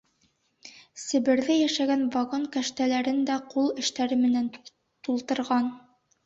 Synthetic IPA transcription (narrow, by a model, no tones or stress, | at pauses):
sɘ̆βɘ̆ɾðɘjæʃæɡænvaɡoŋkæʃt̪ælæɾɘnd̪æqulˠɘ̆ʃt̪æɾɘmɘ̆næn | t̪ulˠt̪ɤ̆ɾʁɑn